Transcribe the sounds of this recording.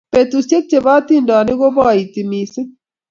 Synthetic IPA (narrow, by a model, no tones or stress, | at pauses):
pet̪usek̚t͡ɕebaːt̪inɖaːniɡobaːit̪imiːsi